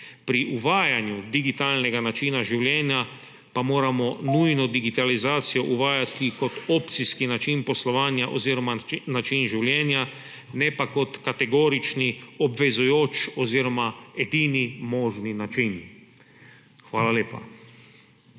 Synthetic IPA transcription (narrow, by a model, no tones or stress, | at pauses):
pɾiʔuʋaːjanjud̪iɡit̪aːlnɛɡanat͡ʃiːnaʒiwljɛnja | pamoːɾamɔnujnɔd̪iɡit̪alizaːt̪sijɔʔuʋaːjat̪ikɔt̪ɔːpt̪siskinat͡ʃinpɔslɔʋaːnjaʔɔziːɾɔmanat͡ʃinʒiwljɛːnja | nɛpakɔt̪kat̪ɛɡoːɾit͡ʃniɔbʋɛzujoːt͡ʃɔziːɾɔmaɛd̪iːnimɔːʒninat͡ʃin | xʋaːlaleːpa̰